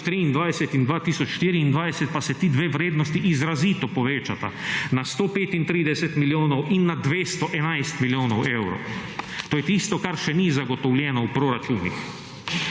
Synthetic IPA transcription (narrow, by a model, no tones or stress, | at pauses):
t̪ɾiːnd̪ʋajsɛt̪ind̪ʋaːt̪iːsɔt͡ʃʃt̪iːɾiːnd̪ʋajsɛt̪̚pasɛt̪iːd̪ʋeːʋɾeːd̪nɔst̪iʔizɾaziːt̪ɔpɔʋeːt͡ʃat̪a̰nast̪oːpeːt̪int̪ɾiːd̪ɛsɛt̪miljoːnɔwinːad̪ʋeːst̪ɔʔɛnajst̪miljoːnɔwewɾo̰t̪oːjɛt̪ist̪ɔkaɾʃɛnizaɡɔt̪ɔwljɛːnɔwpɾɔɾat͡ʃuːnḭx